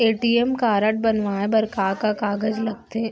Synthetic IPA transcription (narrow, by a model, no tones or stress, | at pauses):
eːʈiemkaːɾəʈ̚bɐnʋaːẽbɐɾkaːkakaːɡəd͡ʒlɐɡ̚t̪e